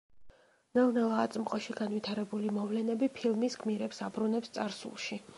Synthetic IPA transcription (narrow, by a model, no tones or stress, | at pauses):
nɛlnɛlˠaːt̪sʼmqʼɔʃiɡanvit̪ʰaɾɛbulimɔvlɛnɛbipʰilˠmisɡʰmiɾɛpsabɾunɛpst̪sʼaɾsṵlˠʃi